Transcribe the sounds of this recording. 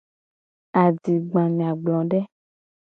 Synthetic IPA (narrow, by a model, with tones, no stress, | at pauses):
a˨di˨ɡ͡bã˨ɲã˨ɡ͡blɔ̃˨ɖɛ˦